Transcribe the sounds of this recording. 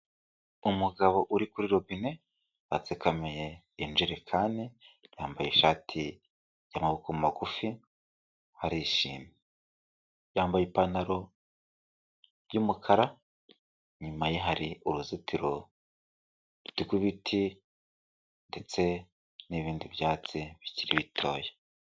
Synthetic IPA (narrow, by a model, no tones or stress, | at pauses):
umuɡaβo̞ʔuɾikuɾiɾo̞βine̞ | wat͡sekameje | ind͡ʒiɾe̞kʰaːnijaːmbajeiʃaːtʰi | jamaβukomumaɡufi | haɾiʃḭːmi | jaːmbajipanaɾo̞ | jumukʰaɾa | ɲumajeɦaɾiuɾuzitiɾo | βitiɡwiβitʰi | nde̞t͡se̞ | niβiːndiβjaːt͡siβiciɾiβitʰo̞ːje